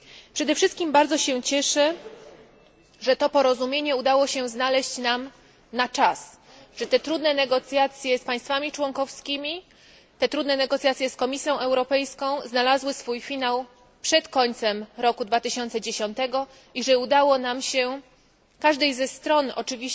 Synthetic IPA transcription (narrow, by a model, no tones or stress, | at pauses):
pʂɛd̪ɛfʂɘst̪̚kʲimbaɾd̪zɔɕɛt͡ɕɛʂɛ | ʐɛt̪ɔpɔɾɔzumʲjeɲɛud̪awɔɕɛznalɛɕt͡ɕnam | nat͡ʂas | ʐ̥ɛt̪ɛt̪ɾud̪nɛnɛɡɔt̪sʲjat̪sʲjɛspaj̃st̪famʲit͡ʂwɔŋkɔfskʲimʲi | t̪ɛt̪ɾud̪nɛnɛɡɔt̪sʲjat̪sʲjɛskɔmʲisʲjɔ̃w̃ʔɛwɾɔpɛjskɔ̃w̃znalazwɘsfujfʲinaw | pʂɛt̪kɔɲt̪sɛmɾɔkud̪vat̪ɘɕɔnt̪sɛd͡ʑeɕɔnt̪ɛɡɔ | iʐɛud̪awɔnamɕɛ | kaʐd̪ɛjzɛst̪ɾɔnɔ̰t͡ʂɘvʲi